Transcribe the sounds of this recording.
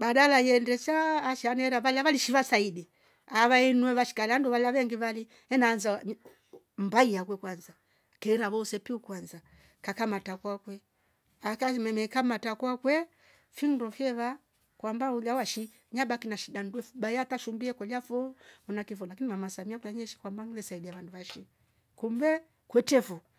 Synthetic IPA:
baɗalajɛndɛsaːʃianɛɾaβalaβaliʃiβasaiɗi | aβainwɛβaʃi̥kalanduβalaβɛŋɡiβali | ɛnaːnza | mbaijakwɛkwanza | kɛɾaβɔsɛpiukwanza | kakamatakwakwɛ | akamɛmɛkamatakwakwɛ | findɔfjɛβa | kwambaulawaʃi | ɲaɓakinaʃiɗandwɛfuɓajataʃumbiɛkɔlafɔmunakifɔlakinimamasamiakulaɲɛʃi̥kwambaŋlɛsaidiaβanduβaʃi | kumbɛ | kwɛtɛfɔ

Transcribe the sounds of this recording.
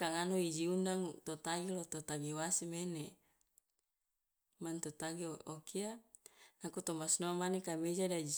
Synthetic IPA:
kaŋanoid͡ʒiundaŋut̪ot̪aɡilot̪ot̪aɡiwasimene | mant̪ot̪aɡiokʰianakut̪omasnoamanekamed͡ʒadad͡ʒi

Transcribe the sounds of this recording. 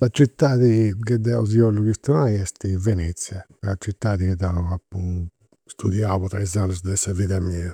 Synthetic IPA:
sat͡ʃit̪ːaːðikɛd̪ɛauziɔlːuɣist̪unaiɛst̪ivɛnɛt̪sja | ɾat͡ʃit̪ːaːðikɛd̪auɣapːu | st̪uðjaβɔt̪ɾaizanːɛzd̪ɛsaviðamia

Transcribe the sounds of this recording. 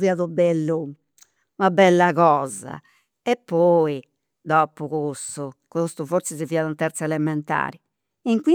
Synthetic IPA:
viaðubɛlːu | nabɛlːaɣɔːza̰ | ɛpːɔːi | d̪ɔpuɣost̪ukost̪uvoɾsɛziviːaðunt̪ɛɾt̪sɛlɛmɛnt̪a̰ːɾi | iŋkwi

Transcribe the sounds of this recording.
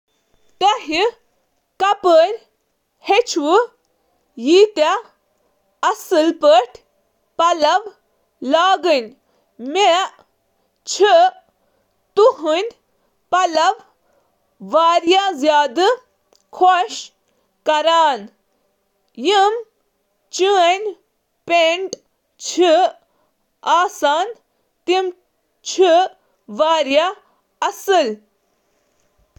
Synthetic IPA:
t̪ɐɦi | kɐpəɾʲ | het͡ʃʰwɨ | jit̪a | ɐsɨlpəʈʰ | pɐlɐʋ | laːɡɨnʲ | me | t͡ʃʰə | t̪uɦɨnʲ | pɐlɐʋ | ʋaːɾjazjaːd̪ɨ | kʰoʃ | kɐɾaːn | jim | t͡ʃunʲ | peɳɖ | t͡ʃʰi | aːsaːn | t̪im | t͡ʃʰi | ʋaːɾja | ɐsɨl

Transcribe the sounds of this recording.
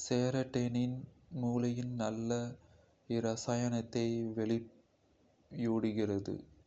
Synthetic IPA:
seːɾɐʈːeːnɪn | muːlɐjɪnnɐlːɐ | ɪɾɐsaːjɐnɐt̪ːɐɪʋɛɭɪp | juːɽɪɣɪrɐðɯ̰

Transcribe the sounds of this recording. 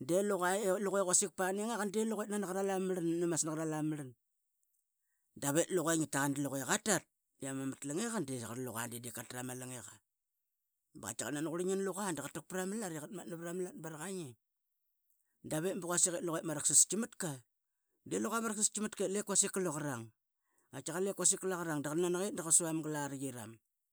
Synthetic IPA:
deluɣaluɣeɣasik̚paneŋakandeluɣet̚nanaɣaɾalamlannumasnaaɾalamlan | daβetluɣaŋitaɣandiluɣeɣatat̚ | diamamatlaŋeɣandeɣaɾalṵɣa̰ndedekatɾamalaŋeɣa | baa̰t͡ʃaɣa̰nanɣuɾiɲinluɣandaɣatak̚pɾamalaɾiɣatmat̚naβɾamlat̚baɾaɣaŋi | daβetmbuɣasiɣetluɣemaɾaksist͡ʃimatka | deluɣamaɾaksist͡ʃimatkelekwasikaloɣaɾaŋ | at͡ʃaɣalekwasikalaɣaɾaŋdaɣananaɣet̚ndaɣasuamɡalaɾɣiɾa̰m

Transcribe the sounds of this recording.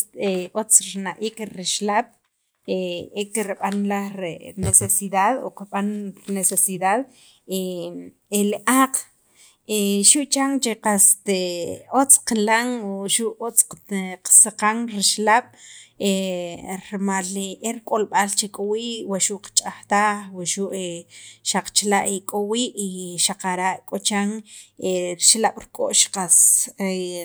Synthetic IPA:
t̪eot͡sɾinaʔiːkɾiʃlaːɓ̥ | eekiɾɓanlahɾenesesiðaðo̰qɓanɾnesesiðað | e | eliʔaːq͡χ | eʃuʔt͡ʃaŋt͡ʃeqast̪eot͡sqlaŋʃuʔot͡sqsiqaŋɾiʃlaɓ̥e | ɾmaleɾkʼolɓalt͡ʃekʼowiːʔwaʃuʔqḁt͡ʃʼaxt̪aχwaʃuʔeʃaq͡χt͡ʃlaʔekʼowiːʔiʃaqaɾaʔkʼot͡ʃaŋeɾiʃlaɓ̥ɾkʼoʔʃqase

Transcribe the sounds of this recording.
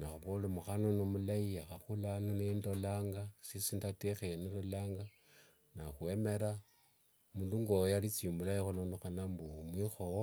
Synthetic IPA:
naxuβolomuxanonomulajiaxaxulanonendolaːŋɡasisindatexejenindolaːŋɡa | naxueme̞ɾa | munduŋɡojalit͡siːmbulajixulonoxanambumwixo

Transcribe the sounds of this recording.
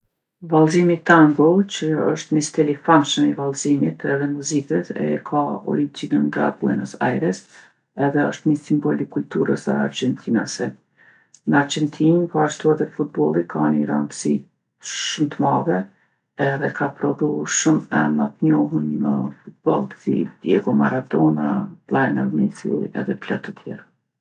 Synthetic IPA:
valˠzimit̪aŋɡɔt͡ʃəəʃt̪mist̪ɛlifanʃəmivalˠzimit̪ɛðɛnmuzikɛt̪ɛ̰kʰaɔ̰lint͡sinənɡa̰buɛ̰nəsa̰jɾɛs | ɛðɛəʃt̪misimbɔlikult̪uɾəsə̰a̰ɾd͡ʒɛnt̪ʰinasɛ | nəaɾd͡ʒɛnt̪ʰinikaʃt̪uɛðɛfut̪̚bɔlˠikʰaniɾant̪əsi | ʃumt̪əmavɛ | ɛðɛkʰapɾɔðuʃumɛmət̪ɲɔɦunməfut̪̚bɔlˠsḭd̪jɛɡɔmaɾad̪ɔnalˠajnaɾmisṵɛ̰ðɛpla̰t̪ət̪ʰjɛɾa

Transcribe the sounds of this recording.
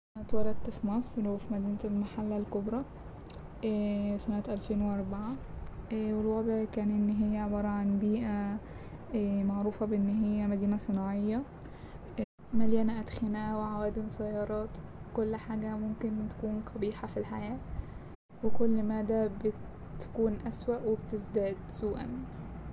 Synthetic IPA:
ænæt̪wælæd̪̚t̪fimɑsˤɾwefimæd̪iːnlmaħalːælkobɾˤɑ | sænæt̪ʔælfeːnweʔɑɾˤbaʕa | wɪlwɑd̪ˤʕkæːnʔɪnːɦɪjːæaʕebɑːɾˤɑʕanbiːʔæ | maʕɾuːfæbʔenːɦɪjːæmæd̪iːnæsˤɨnɑːʕejːɑ | maljæːnaʔæt̪xɪnæːwɪʕawæːd̪ɪmsæjːɑːɾˤɑːt̪wkʊlːħaːɡæmʊmkɪnt̪ḁkuːnqʰɑbiːħafilħajæː | wɪkʊlːmaːd̪æbɪ | t̪kuːnʔæswaʔwɪbt̪ɪzd̪æːd̪suːʔæ̰n

